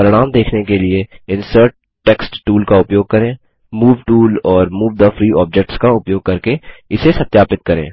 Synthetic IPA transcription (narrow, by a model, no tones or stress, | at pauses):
pɐɾɽ̃aːmd̪eːkʰnekelieɪ̃nsəɾʈ̚ːɛksʈːuːlkaʊpjoːɡ̚kɐɾẽː | muːʋʈuːlɔːɾmuːʋd̪əfɾiːʔɔːb̚d͡ʒɛk̚ʈskaʊpjoːɡ̚kɐɾkeɪsesɐt̪ːjaːpɪt̪̚kɐɾḛ̃ː